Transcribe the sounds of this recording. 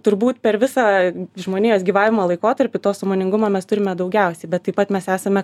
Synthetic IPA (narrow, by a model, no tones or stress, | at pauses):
t̪ʊɾbuːt̪pʲɛɾʋʲɪsɑːʒmoːnʲeːjoːsɡʲiːʋɑːʋʲɪmoːlˠɐɪkoːt̪ɐɾʲpʲɪt̪oːsomoːnʲɪŋɡʊmɐmʲɛst̪ʊɾʲɪmʲɛd̪ɐʊɡʲɛʊsʲɛɪbʲɛt̪ːɐɪpɐt̪mʲɛsæːsɐmʲɛ